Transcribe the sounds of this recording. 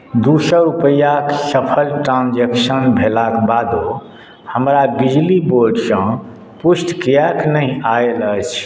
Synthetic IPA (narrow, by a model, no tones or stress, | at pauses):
d̪usəɾupəjaksəpʰəlʈɾãnd͡ʒeksənbʱelakbad̪o | həmɾabid͡ʒliboɾɖsə̃ | pusʈkijaknəĩaelət͡ʃʰ